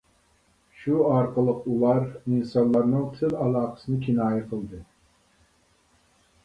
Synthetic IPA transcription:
ʃuɑɾqəlˠəqulˠɑɾinsɑnlˠɑɾnɨŋt̪ʰɪlɑlˠɑːqə̥sɨnɨkʲʰinɑːjɨqʰəlˠd̪ɨ

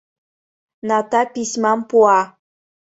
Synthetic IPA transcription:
nɑt̪ɑpisʲmɑmpuɑ

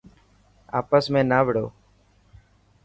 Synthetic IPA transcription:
a̰ːpəsmẽːnaːʋɪɽo̰ː

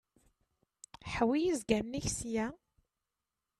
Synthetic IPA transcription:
ħwijizɡæmniçsjæ

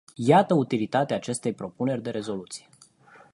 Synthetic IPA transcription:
jat̪əut̪ilit̪at̪eaːt͡ʃe̞st̪e̞jpɾo̞pune̞rʲd̪e̞ɾe̞zo̞lut̪si̥je

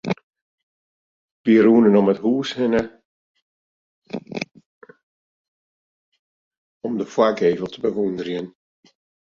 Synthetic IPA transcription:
ʋiəɾuːnənɔmətɦuːshɪnə | ɔmdəfwakeːvəlˠtʰəbəʋundərjən

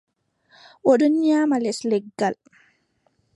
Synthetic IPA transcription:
ʔɔɗɔnɲaːmalɛslɛɡːal

